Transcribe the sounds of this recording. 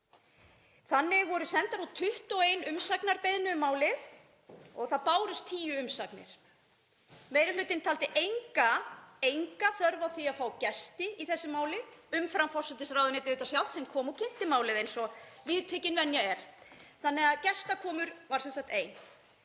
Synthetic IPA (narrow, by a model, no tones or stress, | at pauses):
θanːɪɣvɔɾʏsɛnt̪aɾat̪ʰʏht̪ɔwejnʏmsaknaɾpejðnʏmaːwlɪθ | ɔɣθaðpaːwɾʏst̪ʰiːjʏʏmsaknɪ̰ɾ̥ | meːjɾɪlʏːt̪ɪnt̪ʰaːlt̪ɪʔejŋkaejŋkaθœɾvawθiaðfaːwcɛst̪ɪiθɛsːɪmaːwlɪ | ʏmfɾamfɔr̥sɛt̪ɪsɾawðʏnɛːt̪ɪʏːt̪asjal̥t̪sɛmkʰɔːmɔwcʰɪn̥t̪ɪmaːwlɪðejnsɔvɪːðt̪ʰɛːcɪnvɛnjaɛɾ̥θanːɛɣaðcɛst̪akʰɔːmʏɾvaɾ̥sɛnsak̚t̪eːjn